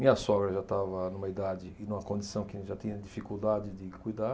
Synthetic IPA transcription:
mĩɲɐsɔɡɾɐʒat̪avɐnũmɐid̪ad͡ʒɪːnũmɐkõd͡ʒisɐ̃w̃kɪʒat̪ĩɲɐd͡ʒifikuwd̪ad͡ʒɪd̪ɪkujd̪a

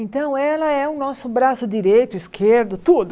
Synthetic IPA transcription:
ẽnt̪ɐ̃w̃ɛlɐɛũnɔsʊbɾasʊd̪iɾejt̪ʊiskʰeɾd̪ʊt̪ud̪ʊ

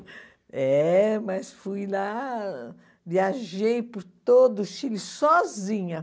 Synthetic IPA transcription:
ɛmɐsfujla | viaʒejpʊɾt̪od̪ʊʃilɪsɔzĩɲɐ

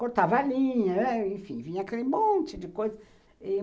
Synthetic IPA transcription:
koɾt̪avɐalĩɲɐɛẽfĩvĩɲɐakelɪmõnt͡ʃɪd̪ɪkojzɐ

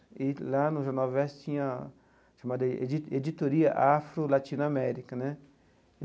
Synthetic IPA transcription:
ɪlanʊʒɐ̃nɔvɛst͡ʃĩɲɐ | ʃamad̪ɐ̰ied͡ʒit̪oɾiɐʔafɾʊlat͡ʃĩnʊamɛɾikɐnɛ̃

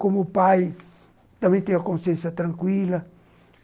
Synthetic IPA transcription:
komopaj | t̪amẽt̪ẽŋɡakõnsẽnsat̪ɾãŋkwila

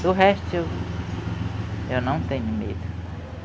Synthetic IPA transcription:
d̪̥ʊɦɛst̪u | ewnɐ̃w̃t̪ẽɲʊmḛd̪ʊ

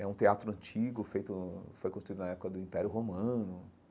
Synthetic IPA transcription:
ɛũt̪eat̪ɾʊɐ̃nt͡ʃiɡʊfejt̪ʊfojkõst̪ɾuid̪nɐɛpʊkɐd̪ʊĩpɛɾjʊɦomɐ̃nʊ

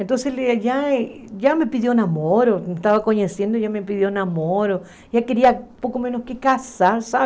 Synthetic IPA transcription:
ent̪onsesleʝa | ʝamepiðjonamoɾomest̪aβakoɲesjend̪oʝamepiðjonamoɾo | ʝakeɾiapokomenoskekasaɾsa

